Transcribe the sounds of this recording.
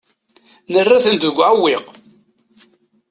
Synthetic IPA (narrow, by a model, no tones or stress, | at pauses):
nərːaθənt̪əɡʷːʕawːɪq